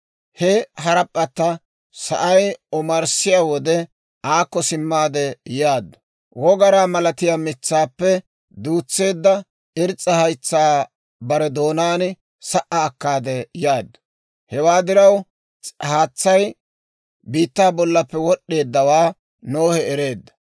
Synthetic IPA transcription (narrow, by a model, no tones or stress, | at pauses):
hɛɦɐɾɐpʼːɐt̪ːɐ | sɐ̰ʔɐjɔmɐɾsɪjaːwɔd̪ɛ | aːkːɔsɪmːaːd̪ɛjaːd̪ːɐ | wɔɡɐɾaːmɐlɐt̪ɪjaːmɪt͡sːaːpːɛ | d̪uːt͡sːe̞ːd̪ːɐ | ɪɾt͡sʼːɐhɐjt͡sːaː | bɐɾɛd̪o̞ːnaːnɪ | sɐʔɐːkːaːd̪ɛjaːd̪ːɐ̥ | hɛwaːd̪ɪɾɐw | haːt͡sːɐj | biːt̪ːaːbɔlːɐpːɛwɔɗːe̞ːd̪ːɐwaː | noːhɛɛɾe̞ːd̪ːɐ̥